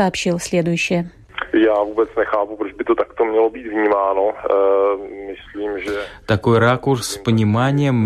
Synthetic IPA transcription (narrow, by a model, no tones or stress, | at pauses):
ɐɐpʃɪlˠslʲɛd̪ʊjʊʃɪjɛ | jaːvuːbɛt͡snɛxaːpupɾod͡ʒbɪt̪ot̪akt̪omɲɛlobiːt̪vɲiːmaːno | mɪsliːmʒɛt̪ako̞jɾakursːpəɲʲɪmanʲɪjɛmː